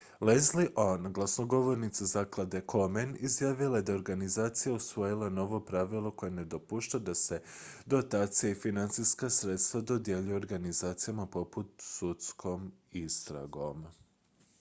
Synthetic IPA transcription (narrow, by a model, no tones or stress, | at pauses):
lezliʔonɡlˠasnoɡo̞ʋo̞ɾnit̪sazaklˠad̪ekʰo̞menizjaːʋilˠajed̪ao̞ɾɡanizaːt̪sijausʋo̞jilˠano̞ʋo̞pɾaʋilˠo̞ko̞jene̞d̪opuʃt̪ad̪ase̞d̪o̞t̪aːt̪sijaifinant̪sijskasɾet̪st̪ʋad̪o̞d̪je̞ʎujeoɾɡanizaːt̪sijamapo̞put̪sut̪skʰo̞mist̪ɾa̰ɡo̞m